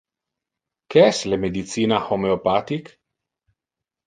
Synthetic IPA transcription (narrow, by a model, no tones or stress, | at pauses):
keɛslemed̪it̪siːnaxomeopat̪ik